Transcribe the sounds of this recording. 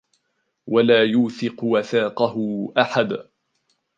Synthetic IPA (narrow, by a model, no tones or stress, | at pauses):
walaːjuːθɪqwaθaːqɑɦʊʔaħad̪